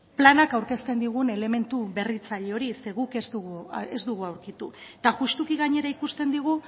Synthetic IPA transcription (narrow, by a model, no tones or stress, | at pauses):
planakawɾke̞st̪e̞nd̪iɣ̞une̞le̞me̞nt̪uβe̞rit͡saʎeo̞ɾise̞ɣuke̞zd̪uɣuezd̪uɣuawɾkit̪ut̪aʝust̪ukiɣaɲe̞ɾaikust̪e̞nd̪iɣ̞u